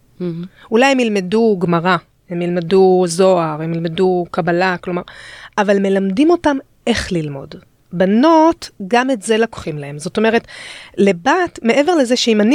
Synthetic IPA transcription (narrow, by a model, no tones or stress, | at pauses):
ulajhemilme̞duɡmaʁa | emilmeduzo̞aʁemilmedukabalaklo̞maʁavalme̞lamdimo̞tam | ʔe̞χlilmo̞̰d | bano̞tɡametze̞lako̥χimlahe̞mzo̞to̞me̞ʁe̞tlebatme̞ʔe̞ve̞ʁlezeʃeimani